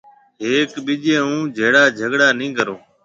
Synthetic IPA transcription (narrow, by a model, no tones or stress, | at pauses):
ɦeːkɓɪd͡ʒẽːɦũːd͡ʒʱeːɽaːd͡ʒʱəɠɽaːnĩːɡəɾoː